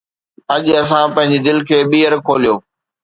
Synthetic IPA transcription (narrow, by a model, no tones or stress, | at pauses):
ɐʄɐs̬ãpɐ̃ɦɪ̃ɲd͡ʑid̪ɪlkʰeːɓiːəɾkʰoːlijoː